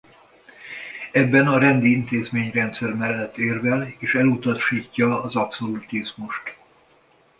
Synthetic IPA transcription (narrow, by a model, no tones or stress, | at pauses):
ɛbːɛnɒɾɛnd̪iint̪eːzmeːɲrɛnt̪sɛrmɛlːɛt̪ːeːrvɛleːʃɛlut̪ɒʃiːcːɒɒzɒpso̞lut̪izmuʃt̪